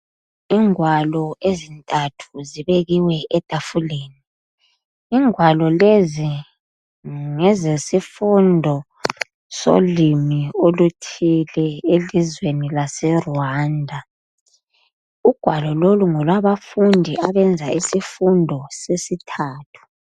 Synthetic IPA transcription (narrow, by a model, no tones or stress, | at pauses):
iŋwalɔezintʼatʰuziβeɣiwɛʔɛd̥ʱafuleːni | iːŋwalɔlezi | ŋɛzesifundʱɔ | so̰limiolutʰilɛelizwenilasɛrwandʱa | uɡ̥ʱwalɔloluŋɔlwaβafundʱiaβɛnd͡zʱaisifundʱɔsesitʰaːtʰu̥